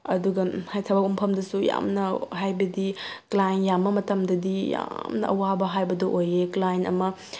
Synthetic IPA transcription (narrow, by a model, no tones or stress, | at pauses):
ɐduɡɐhajtʰɐbɐkumpʰɐmdɐsuja̰mnɐɦajbɐdiklajnjamːɐmɐtɐmdɐdija̰mnɐ̰ʔɐ̰wabɐɦajbɐdɐʔojeklajnɐ̰mɐ